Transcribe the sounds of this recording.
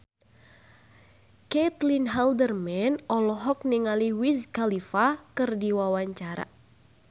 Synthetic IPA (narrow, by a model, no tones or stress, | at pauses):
ket̪linɦɛldərmɛnɔlɔɦɔk̚niŋaliwiskalifakɨrdiwawaɲt͡ʃaɾa̰